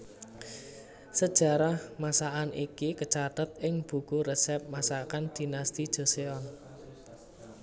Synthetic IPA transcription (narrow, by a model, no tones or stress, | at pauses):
səd̥ʒ̥a̤ɾahmasaʔanʔikikət͡ʃat̪ət̪̚ɪŋb̥ṳkuɾesɛp̚masakand̪̥i̤nast̪id̥ʒ̥o̤seɔn